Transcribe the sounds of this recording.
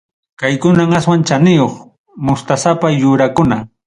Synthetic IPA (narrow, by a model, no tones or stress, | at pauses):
kajkʊnaŋaswant͡ʃanɪjoχ | mʊst̪asapajʊɾakʊna